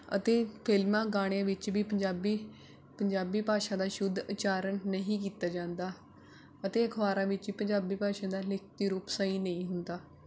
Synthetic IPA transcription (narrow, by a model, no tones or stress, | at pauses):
ə̰t̪eːpʰɪlmãːɡaːɽ̃ejãːʋɪt͡ʃʋiːpəd͡ʒaːbiː | pəɲd͡ʒaːbiːpaːʃãːd̪aːʃʊd̪ʱːət͡ʃaːɾənːəɦĩːk̬iːt̪aːd͡ʒãːnd̪aː | ət̪eːəkʰʋaːɾãːʋɪt͡ʃʋiːpəɲd͡ʒaːbiːpaːʃãːd̪aːlɪkʰt̪iːɾuːpsaiːnəĩːɦʊnd̪aː